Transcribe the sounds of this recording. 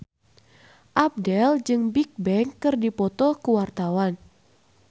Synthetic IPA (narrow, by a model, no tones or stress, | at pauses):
ʔap̚dɛld͡ʒɨŋbik̚bɛŋkːɨrdipɔt̪ɔkuwart̪awan